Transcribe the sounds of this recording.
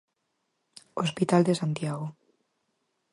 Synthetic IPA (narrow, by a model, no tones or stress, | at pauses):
ospit̪ald̪esant̪jaɣo